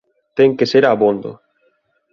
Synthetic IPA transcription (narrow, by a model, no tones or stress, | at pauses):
t̪ɛŋkeseɾaβond̪ʊ̰